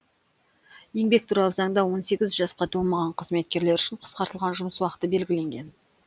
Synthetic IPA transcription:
je̞ŋbe̞k̚t̪ʰuɾɑlˠəzɑŋd̪ɑwo̞nse̞ɡʲɪzʒɑsqɑd̪ʰomɑʁɑɴqʰəzme̞t̪̚kʲe̞ɾle̞ɾʏʃɪɴqʰə̥sqɑɾt̪əlˠʁɑnʒʊməswɑqə̥t̪əbe̞lɡʲɪle̞ŋɡʲe̞n

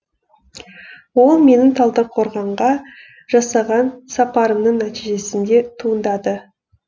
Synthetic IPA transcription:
wo̞lˠme̞nɪŋt̪ʰɑlˠd̪əɾəp̚qʰo̞ɾʁɑɴʁɑ | ʒ̥ɑsɑʁɑnsɑpɑɾəmnəɴnæt̪ijʒe̞sɪnd̪e̞t̪ʰuənd̪ɑd̪ə

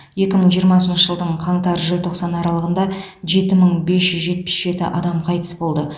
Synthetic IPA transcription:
je̞kʲɪməɴʒijəɾmɑsənʃəʒəlˠd̪əɴqʰɑɴt̪ɑɾʒəlʲt̪ʰo̞qsɑnɑɾɑlˠəʁənd̪ɑʒe̞t̪ɪməɴbe̞sʒ̥ʏzʒe̞t̪̚pɪ̥sʒ̥e̞t̪ɪ̰ʔɑd̪ɑmqʰɑjt̪ə̥sbo̞lˠd̪ə

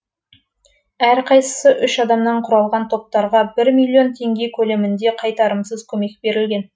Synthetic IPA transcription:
æɾqʰɑjsə̥səʔʏʃɑd̪ɑmnɑɴqʰʊɾɑlˠʁɑnt̪ʰo̞p̚t̪ɑɾʁɑbɪɾmijlʲˠːijo̞nt̪ʰe̞ŋɡʲe̞kʲʰɵle̞mɪnd̪e̞qʰɑjt̪ɑɾəmsəzkʲʰɵme̞k̚b̥e̞ɾɪlɡʲe̞n

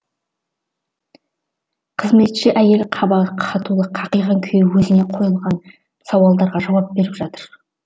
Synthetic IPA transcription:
qʰəzme̞t̪ʃɪʔæje̞lqʰɑbɑqʰɑt̪ulˠəqʰɑqəjʁɑŋkʲʰejwɵzɪne̞qʰo̞jəlˠʁɑn | sɑwɑlˠd̪ɑɾʁɑʒɑwɑp̚be̞ɾɪpʒɑt̪əɾ

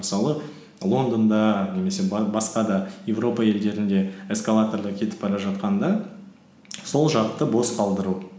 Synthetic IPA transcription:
məsɑlˠə | lˠo̞nd̪ond̪ɑne̞me̞se̞bɑsqɑd̪ɑjevro̞pɑje̞ld̪e̞ɾɪnd̪e̞eskalˠat̪ord̪əkʲʰe̞t̪ɪp̚ɑɾɑʒɑt̪̚qɑnd̪ɑ | so̞lˠʒɑɾt̪ːəbo̞sqʰɑlˠd̪əɾu

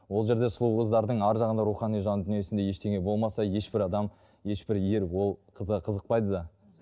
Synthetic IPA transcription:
wo̞lˠʒe̞ɾd̪e̞sʊlˠuwʁəzd̪ɑɾd̪əɴɑɾʒɑʁənd̪ɑɾuχɑnijʒɑnəd̪ʏnije̞sɪnd̪e̞je̞ʃt̪ʰe̞ŋʲe̞bo̞lˠmɑsɑje̞ʃbɪɾɑd̪ɑm | je̞ʃbɪɾje̞ɾwo̞lˠqʰəzʁɑqʰəzəq̚pɑjd̪əd̪ɑ

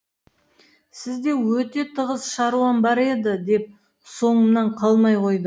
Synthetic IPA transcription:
sɪzd̪e̞wɵt̪e̞t̪ʰəʁəzʃɑɾuɑnbɑɾe̞d̪ɪd̪e̞p̚ | so̞ɴənɑɴqʰɑlˠmɑjqʰo̞jd̪ə

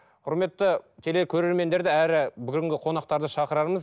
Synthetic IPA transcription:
qʰʊɾme̞t̪ːət̪ʲʰe̞lekʲʰɵɾe̞ɾme̞nd̪e̞ɾd̪ɪæɾɪbʏɡʲɪŋɡʲɪqʰo̞nɑq̚t̪ɑɾd̪əʃɑqəɾɑɾməz

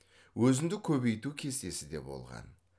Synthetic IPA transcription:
wɵzɪnd̪ɪkʲʰɵbe̞jt̪ukʲʰe̞st̪e̞sɪd̪e̞̰bo̞̰lˠʁɑ̰n

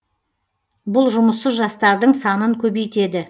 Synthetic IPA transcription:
bʊlˠʒʊməsːəzʒɑst̪ɑɾd̪əɴsɑnəŋkʲʰɵbejt̪e̞d̪ɪ

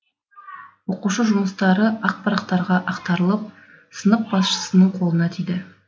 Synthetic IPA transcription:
wo̞quʃəʒʊməst̪ɑɾəʔɑq̚pʰɑɾɑq̚t̪ɑɾʁɑʔɑqt̪ɑɾəlˠəp̚ | sənəq̚bɑsʃə̥sənəɴqʰo̞lˠənɑt̪ʰijd̪ɪ

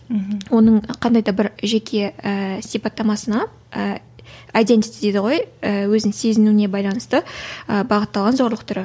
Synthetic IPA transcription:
wo̞nəɴqʰɑnd̪ɑjd̪ɑbɪɾʒekʲʰe̞əsijpɑt̪ːɑmɑsənɑ | ə | ajd̪e̞nt̪it̪ɪd̪e̞d̪ɪʁojəwɵzɪŋse̞zɪnuɪne̞bɑjlˠɑnəst̪əəbɑʁət̪ːɑlˠʁɑnzo̞ɾlˠəq̚t̪ʰʏɾɪ

